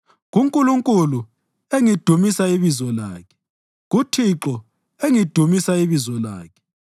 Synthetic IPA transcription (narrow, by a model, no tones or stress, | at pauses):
ɣuŋkʼuluŋkʼulu | eŋid̥ʱumisaiβizɔla̰ːkʰɛ̥ | ɣutʰiǁɔ | eŋid̥ʱumisaiβizɔla̰ːkʰɛ̥